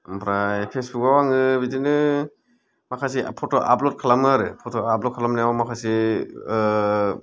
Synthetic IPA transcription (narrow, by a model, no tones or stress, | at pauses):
mpʰɾajpʰesbukawaŋɯbidinɯ | makʰas̬ipʰɔtɔʔa̰plɔt̚kʰalamɯɾɯpʰɔtʰɔablɔt̚kʰalamnijawmakʰasi